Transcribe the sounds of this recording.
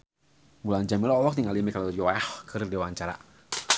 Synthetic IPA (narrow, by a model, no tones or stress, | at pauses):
muland͡ʒamilɔɔwɔk̚niŋalimikalodiwaahkʰərdewant͡ʃaɾa̰